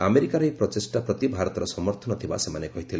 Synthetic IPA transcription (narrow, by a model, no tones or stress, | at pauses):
ameɾikaɾɔjpɾɔt̪esʈapɾɔt̪ibʱaɾɔt̪ɔɾɔsɔmɔɾt̪ʰɔnɔt̪ʰiba̰semanekɔɦit̪ʰile